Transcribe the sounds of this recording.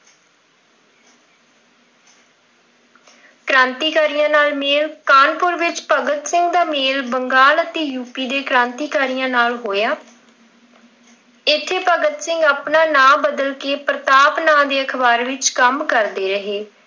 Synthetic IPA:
kɾãːnt̪iːkaːɾijãːnaːlmeːlkaːnpʊɾʋɪt͡ʃpəɡət̪sɪŋɡd̪aːmeːlbəŋɡaːlət̪eːjuːpiːd̪eːkɾãːnt̪iːkaːɾijãːnaːlɦoːjaː | ɪt̪ʰːeːpəɡət̪sɪŋɡaːpnaːnãːbəd̪əlkeːpɾət̪aːpnãːd̪eːəkʰbaːɾʋɪt͡ʃkəmkəɾd̪eːɾəɦeː

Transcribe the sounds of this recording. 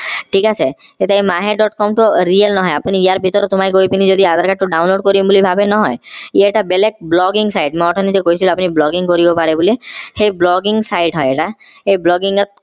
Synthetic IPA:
ʈʰikasʰeet̪aimaɦeɖɔʈkɔmʈɔɾiəlnɔɦɔjapnijaɾbʱit̪ɔɾɔt̪omaiɡojpinid͡ʒɔd̪iad̪ʱaɾkaʈʈːuɖawnloɖkɔɾibbolibʱabenɔɦɔjeeʈabelek̚blɔɡiŋsajʈmɔʈʰɔnid͡ʒekoit͡ʃʰilɔapniblɔɡiŋkɔɾibɔpaɾebuliheblɔɡiŋsajʈɦɔjeʈa | eblɔɡiŋɡɔt̪̚

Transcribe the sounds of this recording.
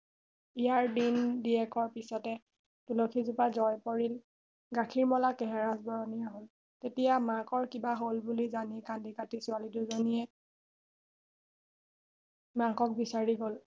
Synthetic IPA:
ijaɹdindiɛkɔɹpisɔtɛ | tulokʰizupazɔjpoɹil | ɡakʰiɹmɔlakɛɦɛɹasbɔɹɔnijaɦol | tetijamakɔɹkibaɦolbulizanikandikatisʊaliduzonijɛ | makɔk̚bisaɹiɡol

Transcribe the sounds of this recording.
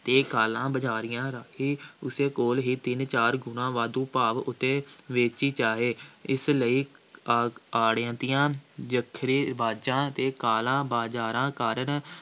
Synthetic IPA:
t̪eːkaːlãːbəd͡ʒaːɾɪjãːɾəkʰiːʊseːkoːlɦiːt̪ɪnt͡ʃaːɾɡʊnãːʋaːd̪ũːpaːʋʊt̪ːeːʋeːt͡ʃiːt͡ʃaːɦeːɪsləiː | aːɽjãːt̪ɪjãːd͡ʒəkʰɾeːbaːd͡ʒãːt̪eːkaːlãːbaːd͡ʒaːɾãːkaːɾən

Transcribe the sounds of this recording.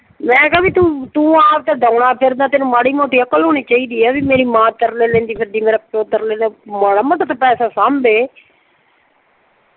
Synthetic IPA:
mɛ̃ːkɛbiːt̪ũːt̪ũːaːpt̪eːd̪ãːɳaːpʰɪɾd̪ãːt̪enũːmaːɽiːmõːt̪iːəkəlɦoːɽ̃iːt͡ʃaːiːd̪iːɛːbiːmeːɾiːmãːt̪əɾleːlɛ̃ːnd̪iːpʰɪɾd̪iːmeːɾaːpt͡ʃoːt̪əɾlɛ̃ːnaməɽaːmət̪ːt̪apɛːsaːsaːmbeː

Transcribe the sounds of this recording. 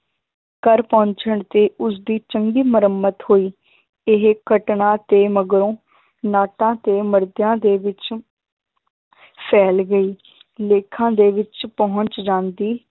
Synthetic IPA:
kəɾpɔ̃ːɲt͡ʃəɳt̪eːʔʊs̬d̪iːt͡ʃəŋɡiːməɾəmːət̪hoːiː | ɪɦkəʈɳãːt̪eːməɡɾõː | naːʈãːt̪eːməɾd̪jãːd̪eːʋɪt͡ʃ | pʰɛːlɡəiː | leːkʰãːd̪eːʋɪt͡ʃpɔɦʊ̃ɲt͡ʃd͡ʒãːnd̪iː

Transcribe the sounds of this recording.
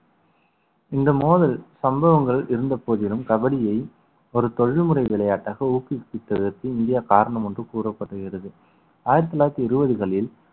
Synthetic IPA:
ɪnd̪ɐmoːðɐlsɐmbɐʋɐŋɡɐɭɪɾɯnd̪ɐpːoːðɪlɯmkɐbɐɽɪjɐɪ | ɔɾɯt̪ɔɻɪɭmɯrɐɪʋɪɭɐjaːʈːaːɣɐuːkɪpːɪʈːɐʋɪɾt̪iɪnd̪ɪjaːkaːɾɐɳɐmɔndrɯkuːrɐpːɐʈːɯɣɪrɐðɯ | aːjɪɾɐt̪ːɯlaːjɐt̪ːiɪɾɯbɐðɯɣɐɭɪl

